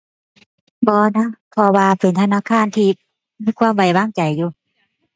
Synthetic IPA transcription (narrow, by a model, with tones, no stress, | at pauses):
bɔː˧na˦˥pʰɔ˧waː˧pe˨˦nt̪ʰa˧naː˧˥˨kʰaː˧˥˨nt̪ʰiː˧˩ | miː˧˥˨kʰwaː˧˥˨mwa˨˩jwaː˧˥˨ŋt͡ɕa˨˩jːuː˧˩